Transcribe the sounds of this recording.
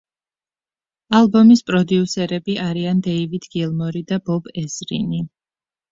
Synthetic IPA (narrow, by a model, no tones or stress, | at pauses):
alˠbɔmispʼɾɔd̪iusɛɾɛbiʔaɾiand̪ɛivid̪ɡilˠmɔɾid̪abɔbɛsɾḭni